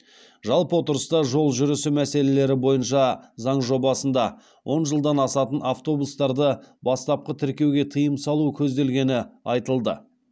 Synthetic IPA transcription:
ʒɑlˠpəwo̞t̪əɾəst̪ɑʒo̞lˠʒʏɾɪsumæse̞le̞le̞ɾɪbo̞jənʃɑzɑɴʒo̞bɑsənd̪ɑ | wʔo̞nʒəlˠd̪ɑnɑsɑt̪ənaft̪o̞bust̪ɑɾd̪əbɑst̪ɑp̚qət̪ʰɪɾkʲe̞wɡʲe̞t̪ʰijəmsɑlˠukʲʰɵzd̪e̞lɡʲe̞nɪɑjt̪əlˠd̪ə̰

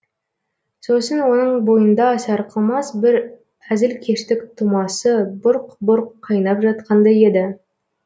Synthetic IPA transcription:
so̞sənwo̞nəɴbo̞jənd̪ɑsɑɾqʰəlˠmɑsbɪɾ | æzɪlkʲʰe̞ʃt̪ɪkt̪ʰumɑsəbʊɾqbʊɾqʰːɑjnɑpʒɑt̪qʰɑnd̪ɑje̞d̪ɪ

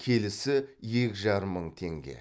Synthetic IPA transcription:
kʲʰe̞lɪsɪje̞kʲʒɑɾəmːəɴt̪ʰe̞ŋɡʲḛ

